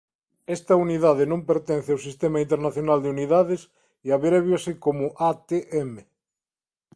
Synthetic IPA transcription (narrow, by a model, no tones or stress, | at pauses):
est̪ɐuniðaðenõmpeɾt̪en̟θeawsist̪emaint̪eɾnaθjonald̪euniðaðes | iaβeɾeβjoasikomoʔat̪eʔeme